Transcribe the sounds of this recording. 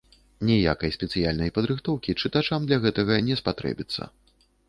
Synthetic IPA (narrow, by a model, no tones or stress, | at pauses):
nʲɛja̰kɐjsʲpʲɛt̪sɨjalʲnɐjpɐd̪ɾɨxt̪ɔwkʲit͡ʂɨt̪at͡ʂamd̪lʲɐɣɛt̪ɐɣɐnʲɛspat̪ɾɛ̰bʲit̪sːɐ̰